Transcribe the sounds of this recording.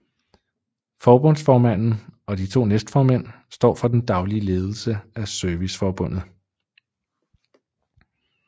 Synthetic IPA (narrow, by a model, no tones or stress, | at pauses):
fɒːb̥ɔ̽n̰sfɒːmæn̰n̩ɒ̽d̥it͡sʰo̝̰ːnesd̥fɒːmen̰ | sd̥ɒ̰ːfɒ̽d̥end̥ɑ̈ʊliəle̝ːð̞ˠl̩səæsœɐʋisfɒːb̥ɔ̽n̰ð̩ˠ